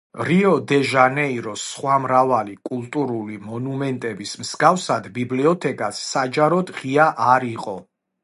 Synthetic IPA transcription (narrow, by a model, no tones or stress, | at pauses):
ɾiɔd̪ɛʒanɛiɾɔsχwamɾavalikʼulˠt̪ʼuɾulimɔnumɛnt̪ʼɛbismsɡafsad̪bibliɔt̪ʰɛkʼasːad͡ʒaɾɔd̪ʁiaʔaɾiqʼɔ